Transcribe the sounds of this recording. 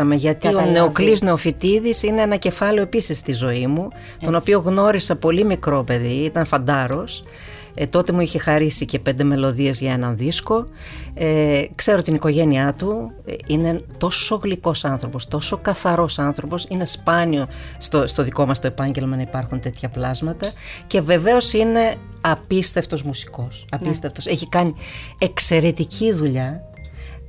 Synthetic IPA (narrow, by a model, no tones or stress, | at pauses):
ɐme̞ʝɐt̪ione̞oklizne̞ofit̪iðisineenɐce̞fɐleo̞episist̪izo̞imu | t̪o̞no̞pio̞ɣno̞ɾisɐpo̞limikɾo̞pe̞ðiit̪ɐnfɐnd̪ɐɾo̞s | t̪o̞t̪e̞muiçexɐɾisice̞pe̞nd̪e̞me̞lo̞ðie̞zʝɐe̞nɐnðisko̞ | ekse̞ɾot̪iniko̞ʝe̞niɐt̪u | ine̞t̪o̞so̞ɣliko̞sɐnθɾo̞po̞st̪o̞so̞kɐθɐɾo̞sɐnθɾo̞po̞sine̞spɐnio̞st̪ost̪o̞ðiko̞mɐst̪o̞epɐɲɟe̞lmɐnɐipɐɾxunt̪e̞t̪çɐplɐzmɐt̪ɐce̞ve̞ve̞o̞sine̞ | ɐpist̪e̞ft̪o̞zmusi̥ko̞sɐpist̪e̞ft̪o̞se̞çikɐniekse̞ɾe̞t̪iciðuʎɐ